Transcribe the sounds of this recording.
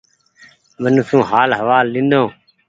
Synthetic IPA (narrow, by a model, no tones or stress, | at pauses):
mənuːsũːɦaːlɦəʋaːlːɪ̃nd̪õː